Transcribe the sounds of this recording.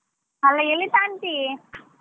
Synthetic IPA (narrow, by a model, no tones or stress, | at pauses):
ɐlːɐelit̪aːɳʈi